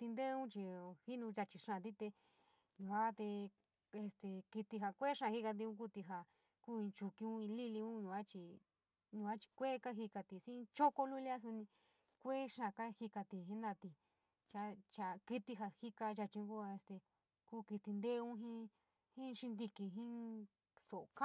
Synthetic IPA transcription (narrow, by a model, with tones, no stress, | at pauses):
t̪i˧nd̪e˦˧ũ˦t͡ʃi˧hi˦nũ˧ʒa˧t͡ʃi˧ʂã˧˨t̪i˦t̪e˧ | ɲũ˧a˦t̪e˧ | e˧st̪e˧ki˧t̪i˧ɦa˧˨kʷe˦˧ʂã˧hi˦ka˧t̪̬i˧ũ˧˦k̬u˧t̪i˧ɦa˨ | ku˦ĩ˧t͡ʃu˧kĩ˧ũ˦ĩ˧li˦li˧ũ˦ɲũ˧a˦t͡ʃi˧ | ɲũ˧a˦t͡ʃi̥˧kʷe˦ka˦ɦi˧ka˧t̪i˧sĩ˦˧t͡ʃo˦ko˦lu˦lja˦s̬u˧nĩ˧ | kʷe˦ʃã˧˨ka˦hi˧ka˧t̪i˧ɦĩ˦nd̪a˧t̪i˧ | t͡ʃa˧˦t͡ʃa˨˧ki˦t̪i˧ɦa˧hi˦ka˧ʒa˧t͡ʃĩ˧ũ˧ku˦a˧e˧st̪e˧ | kuː˦ki˧t̪i˧nd̪e˦˧ũ˦ɦĩ˦ | hĩ˦˧ʃi˧nd̪i˧ki˧ɦĩ˦ | so˨ʔka˦